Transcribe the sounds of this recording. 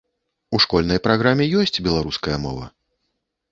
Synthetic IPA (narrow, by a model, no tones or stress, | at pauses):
uʂkɔlʲnɐjpɾaɣɾamʲɛjɔsʲt͡sʲbʲɛlˠaɾuskɐjɐmɔ̰vɐ̰